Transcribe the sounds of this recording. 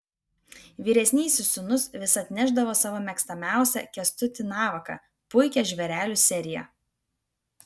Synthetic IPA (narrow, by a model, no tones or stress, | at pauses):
ʋʲiːɾʲɛsʲnʲɛɪsʲɪʊnʊsʋʲɪsɐt̪ʲnʲɛʒd̪ɐʋoːsɑːʋoːmʲɛkst̪ɐmʲæˑʊsʲɛ̰kʲɛst̪ʊt̪ʲɪnɑːʋɐkɐ̰ | pʊɪkʲɛʒʲʋʲɛɾʲæːlʲusʲɛɾʲɪjɛ̰